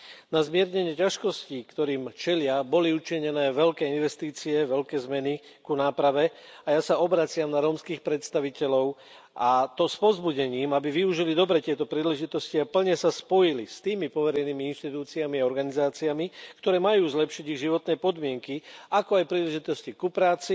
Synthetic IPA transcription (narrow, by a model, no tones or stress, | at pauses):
nazmɪɛɾɲɛɲɪɛcaʃkɔscikt̪ɔɾiːmt͡ʃɛlɪabɔliut͡ʃiɲɛnɛːʋɛlkɛːinʋɛst̪iːt͡siɛʋɛlkɛːzmɛni | kunaːpɾaʋɛajasaɔbɾat͡sɪamnaɾɔːmskiːxpɾɛt̪st̪aʋicɛlɔʊ | ʔat̪ɔspɔzbuɟɛɲiːmabiʋiuʒilid̪ɔbɾɛt̪ɪɛt̪ɔpɾiːlɛʒit̪ɔsciapl̩ɲɛsaspɔjilist̪iːmipɔʋɛɾɛjniːmiinʃt̪it̪uːt͡siamiaɔɾɡanizaːt͡siamikt̪ɔɾɛːmajuːzlɛpʃiɟiɣʒiʋɔt̪nɛːpɔd̪mɪɛŋkiʔakɔajpɾiːlɛʒit̪ɔscikupɾaːt͡si